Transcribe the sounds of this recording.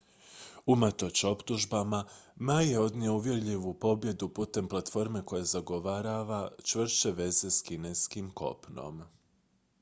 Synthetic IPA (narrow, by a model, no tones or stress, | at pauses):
umat̪o̞t͡ɕo̞pt̪uʒbamamajje̞o̞d̪nʲiouʋje̞ɾʎiʋupo̞bje̞d̪uput̪e̞mplˠat̪fo̞ɾme̞ko̞jezaɡo̞ʋaɾaʋat͡ʃʋr̩st͡ʃe̞ʋe̞ze̞skine̞skimko̞̰pno̞̰m